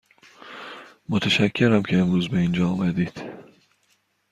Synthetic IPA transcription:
mot̪ʰæʃæcʰːe̞ɾæmcʰe̞emɾuːzbe̞ind͡ʒɒːumæd̪iːd̪̥

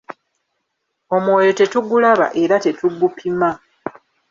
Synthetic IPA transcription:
o̞mwo̞ːjo̞te̞tuɡulaβa̰ʔe̞ɾate̞tuɡupʰima

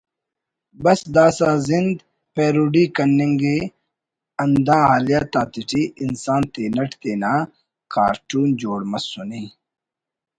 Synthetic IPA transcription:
bɐsd̪aːsaːzind̪ | peːɾuɖikɐnːiŋɡeː | ɐnd̪ãːɦaːlijaːt̪aːt̪iʈiʔːnsaːnt̪eːnɐʈt̪eːnaː | ka̰ːɾʈuːnd͡ʑoːɽmɐsuniː

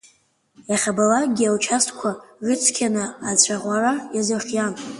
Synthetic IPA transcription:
jaχʲabalaɡʲialt͡ʃʰastʰʼkʷʰarɨt͡sʰkʲʰanɨat͡ɕʷʰaʁʷarajazɨχʲjan

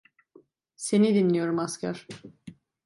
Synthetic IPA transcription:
se̞nid̪inlʲijo̞ɾumascʰa̰ɾ̥

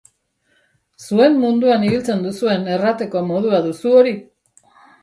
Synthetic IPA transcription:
sue̞mːund̪uaniβilt͡se̞nd̪usue̞ne̞rat̪e̞ko̞mo̞ð̞uaðusuo̞ɾi

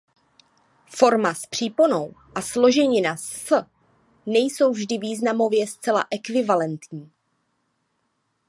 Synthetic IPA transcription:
fo̞ɾmaspr̝̥iːponowʔaslo̞ʒɛɲɪnas | nɛjso̞wvʒdɪviːznamo̞vjɛst͡sɛla̰ʔɛkvɪvalɛnt̪ɲiː

